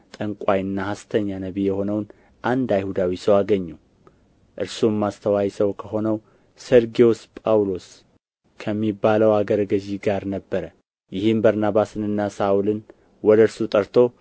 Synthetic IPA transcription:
t̪ʼəŋkʼajɨnːahast̪ʰəɲːanəβijɛho̞nəwn | ʔand̪ajhud̪awisəwaɡəɲːu | ʔɨɾsumːast̪ʰəwajsəwkʰəɦo̞nəw | səɾɡiospʼawlo̞s | kʰəmːibaləwaɡəɾɡəʒiɡaɾnəbːəɾə | jɪhɨmbaɾnaβasɨnɨnːasaʔulɨn | wɔd̪əɾsut̪ʼəɾt̪ʰo̞

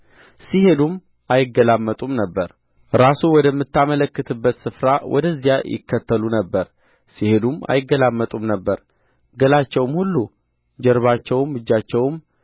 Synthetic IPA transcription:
sihe̞d̪um | ʔajɪɡəlamːət̪ʼumnəbːəɾ | ɾasuwɔd̪əmːɨt̪ʰːamələkːɨt̪ʰɨbːət̪sɨfɾawʔɔ̰d̪əzːijajɪ̰kʰːət̪ːəlunəbːəɾ | sihed̪uma̰jɪɡːəlamːət̪ʼumnəbːəɾ | ɡəlat͡ʃːɛwmhulːu | d͡ʒɛɾβat͡ʃːɛwmːɨd͡ʒːat͡ʃːɛwm

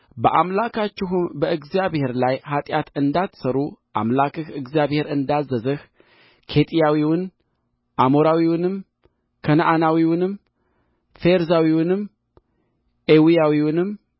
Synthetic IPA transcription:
bəʔamlakʰat͡ʃːɪɦumbəɨɡzijaβhe̞ɾlajhat̪ʼjat̪ɨnd̪at̪ʰsəɾuʔa̰mlakɨxɨɡzijaβhe̞ɾɨnd̪azːəzɨh | kʰe̞t̪ʼijawiwʊn | ʔamoɾawiwʊnɨm | kʰənaʔanawiwʊnɨm | feɾzawiwʊnɨm | ʔewijawiwʊnɨm

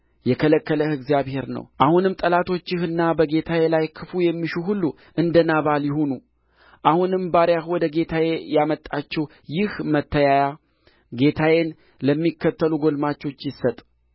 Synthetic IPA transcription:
jɛkʰələkːələhɨɡzjaβhe̞ɾnə̰wʔahunɨmːt̪ʼəlat̪ʰo̞t͡ʃːɪhɨnːabəɡe̞t̪ʰawelajkʰɨfujɛmːiʃuɦulːu | ʔɨnd̪ənaβaljɪhonu | ʔahunɨmbaɾjahwɔd̪əɡe̞t̪ʰajejamət̪ʼːat͡ʃːɛw | jɪhmət̪ʰːəjaja | ɡe̞t̪ʰawen | ləmːikːət̪ʰːəluɡo̞lmat͡ʃːo̞t͡ʃːjɪsːət̪ʼ

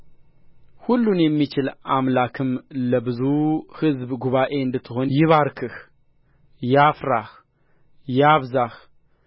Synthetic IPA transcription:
hulːunjɛmːit͡ʃɪlamlakʰɨmləbɨzuhɨzbɡuβaʔe̞ɨnd̪ɨt̪ʰːɨɦo̞njɪβaɾkʰɨh | jafɾa | jaβzah

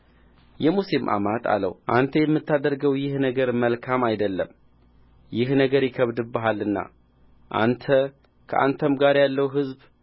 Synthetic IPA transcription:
jɛmusimʔa̰mat̪ʰʼa̰lə̰wʔant̪ʰəjɛmːɨt̪ʰːad̪əɾɡəwjɪhnəɡəɾməlkʰamajd̪əlːə̰m | jɪhnəɡəɾjɪkʰəβd̪ɨbəɦalːɨnːa̰ | ʔa̰nt̪ʰə | kʰəʔa̰nt̪ʰəmɡaɾjalːəwɦɨzb

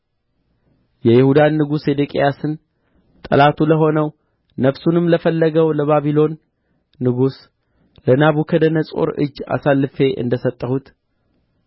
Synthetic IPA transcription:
jɛjɪhud̪anːɨɡushed̪ekʼejasɨn | t̪ʼə̰lat̪ʰuləɦo̞nəw | nəβsunɨmləfəlːəɡəwləβaβilo̞nː | ɨɡus | lənaβukʰəd̪ənəsʼo̞̰ɾɨ̰d͡ʒːa̰salːɨfe̞ʔɨ̰nd̪əsət̪ʼːəhut̪

